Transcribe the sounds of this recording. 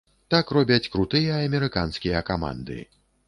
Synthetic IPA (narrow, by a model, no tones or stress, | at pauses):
t̪akrɔbʲɐt͡sʲkɾut̪ɨjɐɐmʲɛɾɨkanskʲijɐkama̰nd̪ɨ̰